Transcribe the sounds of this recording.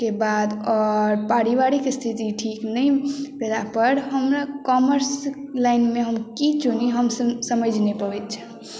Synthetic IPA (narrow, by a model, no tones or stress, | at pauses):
kebad̪ɔɾpaɾiʋaɾikst̪ʰit̪iʈʰiknəjped̪apəɾɦəmɾakɔməɾslajnmeɦəmkit͡ʃʰuniɦəmsəsəməd͡ʒʱnepəbɛt̪t͡ʃʰə̃